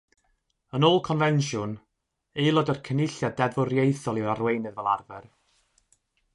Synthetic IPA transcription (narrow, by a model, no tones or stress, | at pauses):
ənoːlˠkʰɔnvɛnʃʊn | elˠɔdərkʰənɪɬjadɛvʊrjejθɔlˠiɾarwejnɨðvɛlˠarvɛr